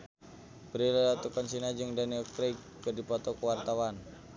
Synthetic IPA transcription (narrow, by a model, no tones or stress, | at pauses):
bəɾilalat̪ukansinad͡ʒɨŋdaniɔkɾek | kːərdipɔt̪ɔkəwart̪awan